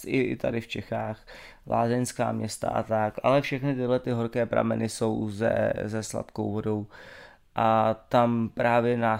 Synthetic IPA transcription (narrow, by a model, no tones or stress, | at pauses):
ʔɪɪ̰t̪adɪft͡ʃɛxaːx | lʔa̰ːzɛnska̰ːmɲɛst̪a̰ʔa̰t̪akʔalɛfʃɛxnɪt̪ɪɦlɛt̪ɪɦoɾkɛːpɾa̰mɛ̰nɪso̞wzɛ̰zɛsla̰t̪ko̰wvo̞do̞w | ʔat̪ampɾaːvjɛnaː